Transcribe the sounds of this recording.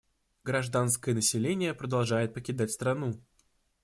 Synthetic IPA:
ɡɾɐʐd̪anskəjənəsʲɪlʲenʲɪjəpɾəd̪ɐlˠʐajɪt̪̚pəkʲɪd̪atʲst̪ɾɐnu

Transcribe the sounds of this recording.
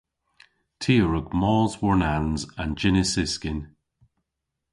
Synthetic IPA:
tʰiəɹʊɡmɔːzwɔɹnanzə̃nd͡ʒɪnɪsɪskɪn

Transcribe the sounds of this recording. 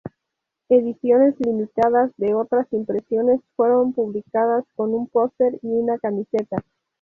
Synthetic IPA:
e̞ðisjo̞ne̞zlimit̪aðazðe̞o̞t̪ɾasimpɾe̞sjo̞ne̞sfwe̞ɾo̞mpuβlikað̞asko̞numpo̞st̪e̞ɾiunakamise̞t̪a

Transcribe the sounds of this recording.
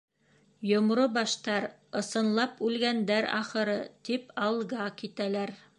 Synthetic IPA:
jŏmɾobɑʃt̪ɑɾ | ɤ̆sɤ̆nlˠɑpʉlɡænd̪æɾɑ̰χɤ̆ɾɤt̪ipɑlˠʁɑkit̪ælæɾ

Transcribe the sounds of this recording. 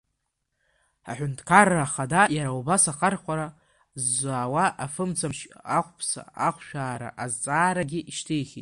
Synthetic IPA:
a̰ħʷᶣʊntʰkʰarːaːχadajaɾaubasaχarχʷaɾa | zːʷaːwaʔafɨmt͡sʰamʃaχʷʼpʰsa̰aχʷʃᶣaːɾa̰ʔazt͡sʼaːɾaɡʲɪʔiʃtʰejχʲitʼ

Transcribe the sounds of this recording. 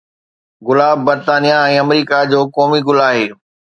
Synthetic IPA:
ɣʊlaːb̚ːɐɾt̪aːnijaɛ̃ːɐmɾiːkad͡ʑoːkɔːmiɡʊlaːɦeː

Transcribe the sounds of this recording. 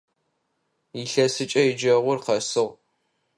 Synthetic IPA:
ɪɬɐsɨt͡ʃʼɐjɪd͡ʒɐʁʷʊrqɐsɨʁ

